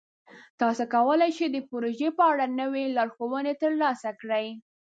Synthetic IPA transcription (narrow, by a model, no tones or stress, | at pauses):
t̪ɑsokawəlajt͡ʃed̪əpoɾoʒepəaɽanəwelɑɾxowənet̪əɾlɑsakɽəj